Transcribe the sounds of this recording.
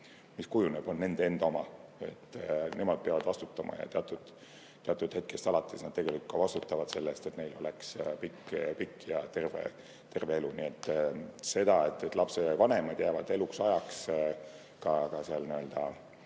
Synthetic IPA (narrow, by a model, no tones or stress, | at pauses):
miskujuneb̥o̞nːe̞nd̪̥ee̞nd̪̥ɑomɑe̞̰t̪ːˑne̞mɑd̪̥̚peɑvɑd̪̥vɑst̪u̥t̪ːˑɑmɑ̰jɑ̰t̪eɑt̪ːˑud̪̥ | t̪ːeɑt̪ːˑud̪̥he̞t̪̚ke̞st̪ɑlɑt̪ʰˑːesnɑd̪̥̚t̪e̞ɡe̞likut̪kɑvɑst̪ut̪ːˑɑvɑd̪̥se̞lːest̪e̞t̪ne̞jlo̞lekspikːpikːˑjɑt̪e̞rvḛ | t̪e̞rve̞elunie̞t̪ːˑse̞d̪̥ɑet̪ˑːet̪lɑpse̞vɑne̞mɑd̪̥jæːvɑd̪̥e̞luksɑjɑks | kɑkɑseɑlniø̞ld̪̥ɑ̰